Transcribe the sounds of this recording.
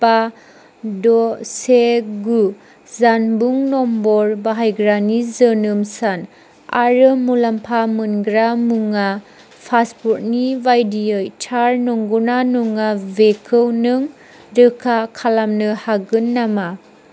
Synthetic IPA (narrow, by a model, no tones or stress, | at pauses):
pa | dɔseɡu | zanbuŋnɔmbɔɾbaɦajɡɾanizənɯmsan | a̰ɾɯmulampʰamɯnɡɾamuŋa | pʰasput̚nivajdiɯjtʰaɾnɔŋɡunanuŋavekʰɯwnɯŋ | ɾɯkʰakʰalamnɯhaɡɯnːama